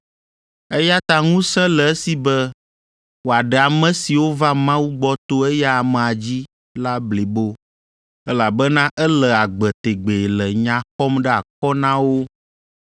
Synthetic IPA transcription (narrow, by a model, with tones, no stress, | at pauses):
ɛ˦ja˦t̪a˦ŋũ˦sɛ̃˦lɛ˨ɛ˦si˨bɛ˦ | wo˨a˨ɖɛ˨a˨mɛ̃˦si˨wo˦va˦mã˦wu˦ɡ͡bɔ˦t̪o˦ɛ˦jɛ˦a˨mɛ˨a˨d͡ʑi˦ | la˦bli˨bo˦ | ɛ˦la˨bɛ˦nã˦ʔɛ˦lɛ˨a˨ɡ͡bɛ˨t̪e˨ɡ͡be˨lɛ˨ɲã˨xɔ˦mɖɛ˦a˨kɔ˦nã˦wo˦